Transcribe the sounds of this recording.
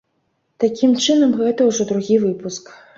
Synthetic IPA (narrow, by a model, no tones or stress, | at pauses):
t̪akʲimt͡ʂɨnɐmɣɛt̪ɐwʐɔd̪ɾuɣʲivɨpusk